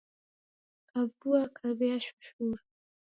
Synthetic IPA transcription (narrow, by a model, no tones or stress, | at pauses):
kavuakʰaβɛaʃu̥ʃuɾa